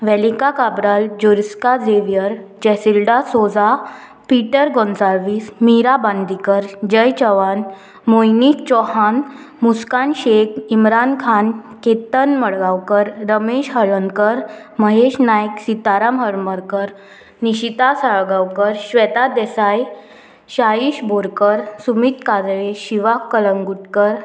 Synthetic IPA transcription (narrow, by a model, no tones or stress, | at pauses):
ʋɛlikakabɾald͡ʑuɾiskad͡zeʋjəɾd͡ʑɛsilɖasod͡za | piʈəɾɡɔnsaɾʋismiɾaband̪ikəɾd͡ʑəjt͡ɕəʋan | mojnit͡ɕɔhan | muskanɕek̚imɾankʰanket̪ənməɽɡawkəɾɾəmeɕɦəɭənkəɾ | məɦeɕnajksit̪aɾamɦəɾməɾkəɾ | niɕit̪asaɭɡawkəɾɕʋɛt̪ad̪esaj | ɕaiɕbʱoɾkəɾsumit̪kad͡zɭeɕiʋakːələŋɡuʈkəɾ